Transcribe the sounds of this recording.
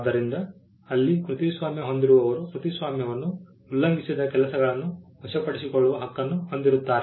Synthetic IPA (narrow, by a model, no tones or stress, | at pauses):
d̪ɐɾind̪ɐ | ɐlːikɾut̪isʋaːmjɐɦo̞nd̪iɾuʋɐʋɐɾukɾut̪isʋaːmjɐʋɐnːu | ulːɐŋɡisid̪ɐkɛlɐsɐɡɐɭɐnːuʋɐʃɐpɐɽisikoɭːuʋɐɦɐkːɐnːuho̞nd̪iɾut̪ːaːɾ